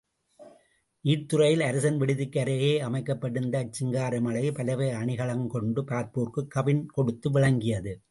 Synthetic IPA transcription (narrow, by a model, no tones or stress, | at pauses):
ʔiːʈ̚t̪ːɯɾɐjɪlɐɾɐsɐnʋɪɽɪðɯkːɐɾɐjeːɐmɐɪkːɐpːɐɽɯnd̪ɐːt͡ʃːɪŋɡaːɾɐmɐɭɐɪpɐlɐʋeːɐɳɪɣɐɭɐŋkɔɳɖɯpɾaːt̪̚poːɾkɯkːɐʋɪnkɔɽɯt̪ːɯʋɪɭɐŋɡɪjɐðɯ